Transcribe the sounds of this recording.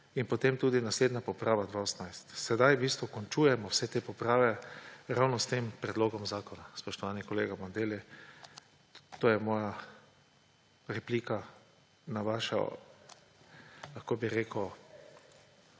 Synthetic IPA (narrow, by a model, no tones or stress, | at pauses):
inpɔt̪emt̪uːd̪inasleːd̪napɔpɾaːʋad̪ʋaosnajst̪sɛd̪ajbist̪ʋɔkɔnt͡ʃuːjɛmɔwsɛt̪eːpɔpɾaːʋɛɾawnɔst̪empɾɛd̪loːɡɔmzaːkɔnaspɔʃt̪ɔʋanikɔleːɡamɔnd̪eːli | t̪oːjɛmɔːja | ɾɛpliːka | naʋaʃa̰ | kakobiɾeːkə